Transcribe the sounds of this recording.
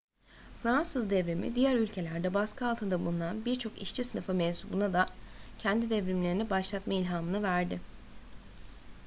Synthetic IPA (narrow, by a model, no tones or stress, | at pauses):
fɾansɯzd̪ɛvɾimḭd̪ijæɾylʲcʰe̞lʲæɾd̪ɛbaskʰɯalˠt̪ʰɯnd̪abunˠunˠanbiɾt͡ʃʰo̞kḭʃt͡ʃʰisɯnɯfɯmɛnsubunad̪acʰɛnd̪id̪ɛvɾimlʲe̞ɾinibaʃlˠat̪mailʲɦaːmɯnɯvæɾd̪ɪ